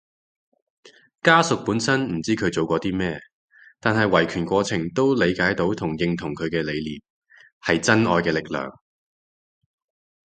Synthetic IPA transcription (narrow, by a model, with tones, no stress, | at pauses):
kaː˥sʊ˨k̚puː˨˥nsɐ˥nm̩˨˩t͡siː˥kʰɵ˨˧t͡so˨˧wkɔː˧t̪iː˥mɛː˥˧ | t̪aː˨nɦɐ˨jwɐ˨˩jkʰyː˨˩nkʷɔː˧t͡sʰɪ˨˩ŋt̪o˥wle˨˧jkaː˨˥jt̪o˨˥wt̪ʰʊ˨˩ŋjɪ˨ŋt̪ʰʊ˨˩ŋkʰɵ˨˧ɥkɛː˧le˨˧jliː˨t̚ | hɐ˨jt͡sɐ˥nɔː˧jkɛː˧lɪ˨k̚lœ̰ː˨˩ŋ